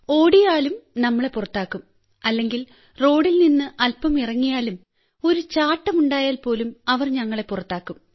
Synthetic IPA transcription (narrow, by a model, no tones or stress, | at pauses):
o̞ːɽijaːlumnɐmːɐɭe̞purɐt̪ːaːkːum | ɐlːe̞ŋɡil | ro̞ːɽilninːɨʔɐlpːɐmirɐŋːijaːlum | o̞ɾut͡ɕaːʈːɐmuɳɖaːjaːlpo̞ːlumɐʋɐrɲɐŋːɐɭe̞purɐt̪ːaːkːum